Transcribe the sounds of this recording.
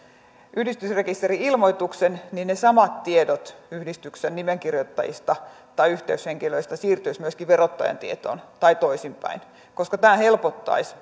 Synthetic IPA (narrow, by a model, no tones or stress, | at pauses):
ʔyhdist̪ysrekist̪eɾiilmoit̪uksenninnesɑmɑt̪tiedot̪yhdist̪yksennimeŋkirjot̪ːɑ̰jḭst̪ɑ | t̪ɑiyht̪eysheŋkiløist̪ɑsiːrt̪yismyøskiʋerot̪ːɑjɑ̰nt̪iet̪o̰ːnt̪ɑit̪oisimpæ̰in | koskɑt̪æːhelpot̪ːɑ̰is